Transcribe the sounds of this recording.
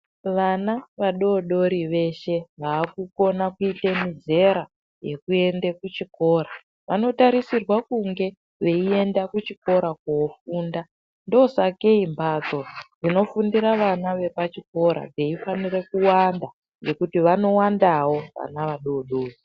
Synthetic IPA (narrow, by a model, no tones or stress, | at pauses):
ʋanaʋaɗo̞ɗo̞ɾiʋe̞ʃe̞ʋaːkuko̞nakuitemize̞ɾa | je̞kue̞ndekut͡ʃiko̞ːɾa | ʋa̰no̞taɾisirwakuŋɡe̞ | ʋe̞ie̞ndakut͡ʃiko̞ɾakuofuːnda | ndosake̞imbad͡zo̞d͡zino̞fundiɾaʋanaʋe̞pat͡ʃiko̞ɾa̰d͡zeifanire̞kuwanda | ŋɡe̞kutiʋano̞wandawo̞ʋa̰naʋaɗo̞ːɗoːri